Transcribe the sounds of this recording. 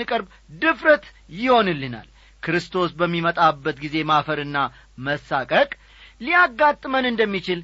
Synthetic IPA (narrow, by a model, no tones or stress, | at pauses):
ɨkʼɨɾb | d̪ɨfɾət̪ | jɪho̞nɨlːɨna̰l | kʰɨɾɨst̪ʰo̞sbəmːimət̪ʼabːət̪ɡize̞mafəɾɨnːa | məsakʼəkʼ | lijaɡːat̪ʼːmənɨnd̪əmːit͡ʃɪl